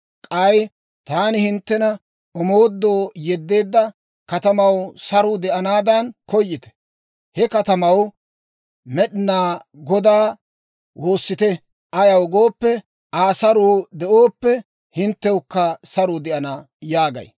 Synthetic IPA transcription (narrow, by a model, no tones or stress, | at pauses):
kʼɐj | t̪aːnɪhɪnt̪ːɛnɐ | ɔmo̞ːd̪ːoːjɛd̪ːe̞ːd̪ːɐ | kɐt̪ɐmɐwsɐɾʊd̪ɛʔɐnaːd̪ɐnkɔjːɪt̪ɛ̥ | hɛkɐt̪ɐmɐw | mɛɗɪnaːɡɔd̪aː | wʔo̞ːsːɪt̪ɛ | ʔɐjɐwɡo̞ːpːɛ | aːsɐɾuːd̪ɛʔoːpːɛ | hɪnt̪ːɛwkːɐsɐɾʊd̪ɛʔɐnaː | jaːɡɐ̰j